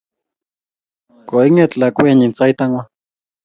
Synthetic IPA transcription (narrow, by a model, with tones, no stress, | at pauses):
kʼɔ˨i˦ŋɛ˨t͡ɬla˨kʼwe˨ɲi˨nt͡sa˦i˦tʼa˦ŋwa˦